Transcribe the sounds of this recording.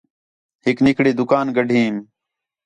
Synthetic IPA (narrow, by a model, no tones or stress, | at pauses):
hɪknɪkɽiːd̪ʊkaːnɡəɖʱiːm